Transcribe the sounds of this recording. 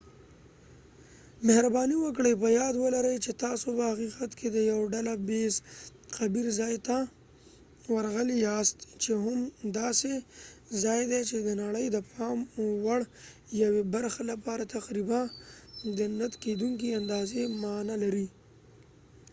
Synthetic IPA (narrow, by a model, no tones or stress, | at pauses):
mehɾabɑniwəkɽəjpəjɑd̪wəlaɾəjt͡ʃet̪ɑsopəhaqiqat̪kʰed̪əjawɖalabezqabiɾzɑjt̪a | waɾaɣəlijɑst̪t͡ʃeɦʊmd̪ɑsezɑjd̪et͡ʃed̪ənaɽəjd̪əpɑmwaɽ | jawebaɾxalapɑɾat̪aqɾiba | d̪ənat̪ked̪uŋkiand̪ɑzemɑnalaɾi